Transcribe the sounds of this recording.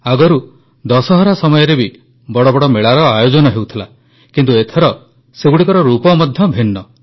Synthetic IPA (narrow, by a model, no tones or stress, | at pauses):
aɡɔɾu | d̪ɔsɔɦɔɾasɔmɔjɔɾebi | bɔɽɔbɔɽɔmeɭaɾɔajod͡ʒɔnɔɦewt̪ʰila | kint̪uet̪ʰeɾɔ | seɡuɽikɔɾɔɾupɔmɔd̪ʱjɔbʱinːɔ